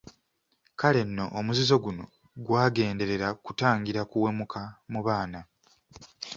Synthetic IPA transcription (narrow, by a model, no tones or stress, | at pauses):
kale̞nːo̞ʔːmuzizo̞ɡuno̞̰ | ɡwaːɡe̞ːnde̞ɾe̞ɾakutaːŋɡiɾakuwe̞mukʰamuβaːna